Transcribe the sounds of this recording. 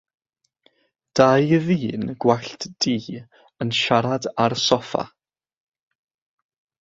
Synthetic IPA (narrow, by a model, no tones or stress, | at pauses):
d̥ajəviːnɡ̥waɬtd̥iː | ənʃaɾadarsɔfa̰